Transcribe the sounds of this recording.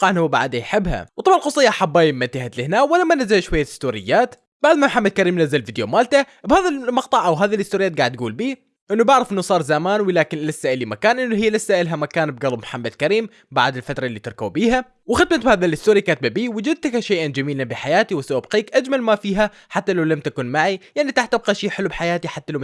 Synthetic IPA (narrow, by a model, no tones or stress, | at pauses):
qɑʕnhuwba̰ʕd̪ajħɪbːha̰wt̪ˤɑbʕɪlqɑsˤɨjːɑʔħabːaːjmːant̪ɪhat̪lɪhnaːwɪlamːanazːalʃwajːaɪst̪uːɾɪ̰jːaːt̪ | b̥aʕd̪mamħamːad̪̚kaɾiːmnazːalfid̪jomaːlt̪abhaːðalmɑqt̪ˤɑʕʔawɦaːðilʔɪst̪uːɾɪjːat̪̚ɡaːʕɪd̪ɡuːlbiː | ʔɪnːubɪʕɾɑfʔɪnːusˤɑːɾˤzamaːnwɪlaːkɪnlɪsːaːʔɪlimakaːnʔɪnːuɦiːlasːaːʔɪlɦamakaːnbɡalɪbmħamːad̪kaɾiːm | ba̰ʕd̪ɪlfat̪ɾˤɑʔlːiːt̪ɪɾˤkawbiːɦa | wɪxɪd̪mat̪̚bhaːðalʔɪst̪uːɾikaːt̪̚babiːwɪd͡ʒʊd̪̚t̪akʃejʔand͡ʒamiːlanbiħajaːt̪iwɪsaʔabqiːkʔad͡ʒmalmafiːɦa | ħat̪ːalawlamt̪akuːnmaʕijaʕnit̪aħt̪ːɪb̚qɑʃiːħɪlubħajaːt̪iħat̪ːalaw